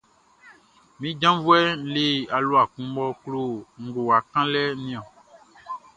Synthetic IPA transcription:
mĩ˦d͡ʒã˦vu˦ɛ˦le˦a˨lo˦a˨kũ˦bɔ˦k͡plo˦ŋ̩˨ɡo˨a˨kã˦lɛ˦nĩ˦˨ɔ̃˨

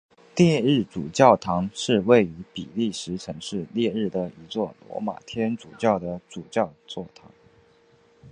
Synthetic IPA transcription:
ljɛ˥˧ɻɻ̩˥˩ʈ͡ʂu˨˩t͡ɕjɑ˥˩ʊt̪ʰɑ˧˥ŋʂɻ̩˥˧we˥˩ɪy˧˥pi˨˩li˥˩ʂɻ̩˧˥ʈ͡ʂʰɤ˧˥ŋʂɻ̩˥˧ljɛ˥˧ɻɻ̩˥˩d̪ə˩i˧˥t͡swɔ˥˩lwɔ̰˧˥ma̰˨˩t̪ʰjɛ˥nʈ͡ʂu˨˩t͡ɕjɑ˥˩ʊd̪ə˩ʈ͡ʂu˨˩t͡ɕjɑ˥˧ʊt͡swɔ˥˩t̪ʰɑ̰˧˥ŋ

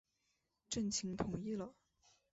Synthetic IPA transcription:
ʈ͡ʂə˥˩nt͡ɕʰi˧˥ŋt̪ʰʊ˨˩ŋi˥˩lə˩

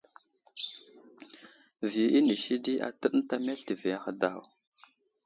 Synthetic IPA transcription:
vi˨i˦ni˨ʃi˦di˦a̰˨tə˦ɗn˦ta˦me˦ɬti˨vi˨a˨xə˨da̰˦˨w

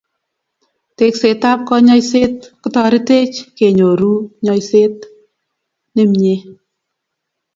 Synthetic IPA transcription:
te˦kse˨ta˦p̚kɔ˧ɲɔ˦jse˦t̚kɔ˦tɔ˧ɾi˦te˦t͡ʃke˨ɲo˨ɾu˦ɲɔ˧jse˦t̪̚ | ne˦mɲe˦

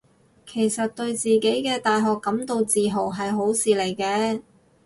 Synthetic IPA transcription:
kʰe˨˩jsɐ˨t̚t̪ɵ˧ɥt͡siː˨ke˨˥jkɛː˧t̪aː˨jɦɔː˨kːɐ˨˥mt̪o˧wt͡siː˨ɦo˨˩wɦɐ˨jɦo˨˥wsiː˨le˨˩jkɛː˧

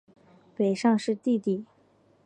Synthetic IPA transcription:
pe˨˩ɪʂɑ˥˧ŋʂɻ̩˥˧t̪i˥˧t̪i˥˩

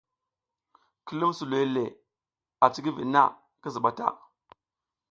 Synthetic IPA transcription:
ki˦lu˦msu˨le˦le˨ | a˨t͡si˦ɡi˦vi˨na̰˦˨ | ki˦zi˨ɓa˨ta̰˦˨

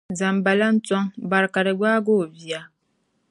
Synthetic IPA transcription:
za˨m˨ba˨la˦n̩˦t͡sɔ˦ŋba˨ɾka˨ɾe˨ɡaː˦ɡo˦˨vi˨a˨

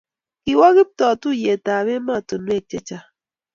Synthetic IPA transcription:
ki˨wɔ˦ɣi˦p̚tɔ˨tu˦˨je˨ta˨βe˦ma˦˨to˨nu˦e˦˨t͡ʃɛ˦t͡ʃa˦

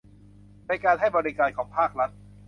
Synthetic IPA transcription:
na˧jkaː˧nɦa˥˩jbɔ˧ɾi˦kaː˧nkʰɔː˩˦ŋpʰaː˥˩k̚ɾa˦˥t̪̚

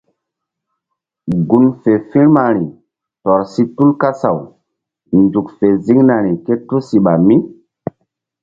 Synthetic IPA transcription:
ɡu˨nfe˨fi˦ɾma˨ɾi˨ | tɔ˨ɾsi˦tu˦lka˦sa˨w | nd͡ʒu˨kfe˨zi˦ŋna˨ɾi˨ke˦to˦si˨ɓa˨mi˦

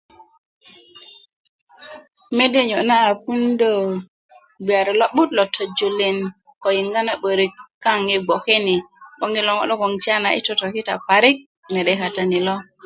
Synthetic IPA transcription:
me˦de˦ɲo˨naː˦˨pu˦ndo˦˨ | ɡ͡bi˨a˨ɾi˨lo˦ɓu˦tlɔ˨tʰo˨d͡ʒo˨li˦n | ko˨ji˨ŋɡa˦na˨ɓə˨ɾi˨kːa˦ŋi˨ɡ͡bo˨ke˦ni˨ɓo˦ŋi˦lɔ˨ŋo̰˦ɗo˦ko˨ŋt͡ʃa˦na˨ʔḭ˦to˨to˨ki˦ta̰˨pa˨ɾi˦k̚ | me˨ɗe˦ka˨ta˦ni˨lɔ˦

